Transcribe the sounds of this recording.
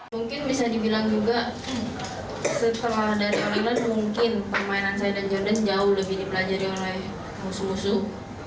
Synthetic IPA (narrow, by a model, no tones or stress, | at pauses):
muŋkɪnbisadibilaŋd͡ʒuɡa | sət̪əladaɾiolɛklanmuŋkɪnpərmainansajadand͡ʒardand͡ʒaʊhləbɪhdibəlad͡ʒaɾiolɛh | musumusu